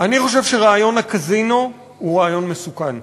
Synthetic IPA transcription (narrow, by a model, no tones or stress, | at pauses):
ʔaniχo̞ʃe̞vʃeʁaːjo̞nakazino | huʁaːjo̞nmesukan